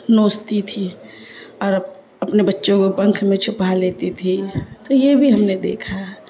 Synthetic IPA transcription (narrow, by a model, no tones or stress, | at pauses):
noːst̪it̪ʰi | ɔːɾ | ɐpnebətːʃõkopə̃ŋkʰmẽt͡ʃʰʊpaleːt̪it̪ʰit̪ojebʱiɦɐmned̪ḛːkʰa